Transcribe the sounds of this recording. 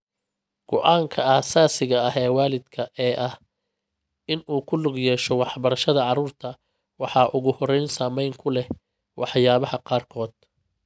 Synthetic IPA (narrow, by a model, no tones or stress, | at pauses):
ɡ̥ɔʔaːŋkʰɐaːsaːsɪɣɐɐɦɛːwɑːlɪd̪kʰɐʔɛːʔɐh | ɪnuːkʰʊlʊɡjɛːʃɔwɑħbɐɾɐʃɐðɐʕɑɾuːrt̪ʰɐ | wɑħɑːʔʊɣʊhɔrɛjnsaːmɛjŋkʰʊlɛ | wʔɑħjaːβɐhɐqɑːrkʰɔːd̪̥̚